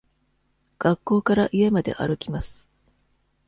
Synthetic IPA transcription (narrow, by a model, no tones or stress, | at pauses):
ɡ̥akːo̞ːkaɾaʔiemad̪e̞̰ʔa̰ɾɯ̟kʲimasɨ̥